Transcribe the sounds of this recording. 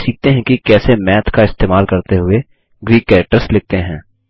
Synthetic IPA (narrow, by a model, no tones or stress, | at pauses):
siːk̚t̪eɦɛ̃kikɛːsemɛːt̪ʰkaɪst̪eːmaːlkɐɾt̪eɦʊe | ɡɾiːkɛːʈəɾslɪk̚t̪eɦɛ̃ː